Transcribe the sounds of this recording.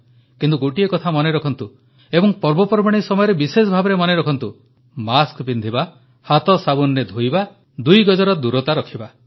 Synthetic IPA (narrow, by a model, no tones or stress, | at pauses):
kint̪uɡoʈiekɔt̪ʰamɔneɾɔkʰɔnt̪u | ebɔŋpɔɾbɔpɔɾbɔɽ̃ẽisɔmɔjɔɾebises̬ɔbʱabeɾemɔneɾɔkʰɔnt̪u | maskbind̪ʱiba | hat̪ɔsabunɾed̪ʱojba | d̪ujɡɔd͡ʒɔɾɔd̪uɾɔt̪aɾɔkʰiba